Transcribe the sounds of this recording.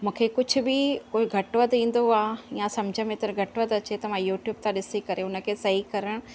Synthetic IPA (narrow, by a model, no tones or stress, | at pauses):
mũːkʰekʊd͡ʑʱʊ̆bɪkoːiɡʱɐʈʋət̪ĩːn̆d̪oaːɪjãsɐmd͡ʑʱəmẽːt̪ɪɾɡʱɐʈʋət̪ɐt͡ɕet̪ɐmãjuːʈjuːb̚t̪ʰãɗɪsikɐɾeʊnə̆kʰeːsɐɦikɐɾəɽ̃